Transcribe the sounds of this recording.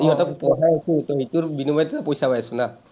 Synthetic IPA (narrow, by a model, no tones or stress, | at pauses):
iɛtakpɔɦajasutɔɦituɹbinubajtɛtapojsapajasʊna